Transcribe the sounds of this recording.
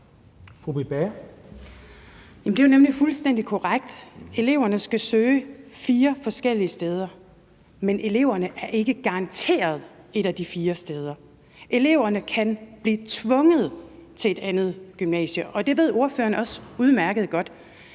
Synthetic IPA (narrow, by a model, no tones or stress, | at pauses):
fʁob̥ib̥eɐ | jæmnd̥ejonemlifulsd̥en̰d̥ikʰɒʁaɡ̥̚d̥e̝le̝ʊɐnəsɡ̥æsøːfiːɐfɒ̽sɡ̥el̰iəsd̥eːð̞ˠɐ | menʔe̝le̝̰ʊ̰ɐnəʔæɐʔe̝ɡ̥əɡ̥ɑ̈ɑ̈nt͡sʰe̝̰ːɐð̞̩ˠe̝ɾ̥æd̥ifiːɐsd̥eːð̞ˠɐ | ʔe̝le̝ʊ̰ɐnəkʰænb̥liːt͡sʰʋɔ̽ŋəð̞̩ˠt͡sʰe̝ed̥ænð̞̩ˠɡ̥ymnɛ̰ːɕəʔɒ̽d̥e̝ʋe̝ð̞ˠo̝ɐfø̰ːɐnɒ̽suðˠmæɐɡ̥əð̩ˠɡ̥ɒ̽d̥